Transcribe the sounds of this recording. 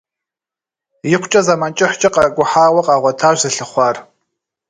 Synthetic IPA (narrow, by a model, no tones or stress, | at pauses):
jɪqʷʰt͡ʃʼɐzamant͡ʃʼɪħʷt͡ʃʼɐqʼaɡʷʊħaːwɐqʼaʁʷatʰaʒʷzɨɬɨχʷar